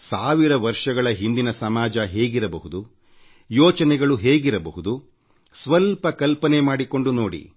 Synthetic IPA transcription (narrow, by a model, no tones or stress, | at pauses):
saːʋiɾɐʋɐɾʂɐɡɐɭɐɦind̪inɐsɐmaːd͡ʒɐɦe̞ːɡiɾɐbɐɦud̪u | jɔːt͡ʃɐnɛɡɐɭuɦe̞ːɡiɾɐbɐɦud̪u | sʋɐlpɐkɐlpɐnemaːɽiko̞ɳɖunoːɽḭ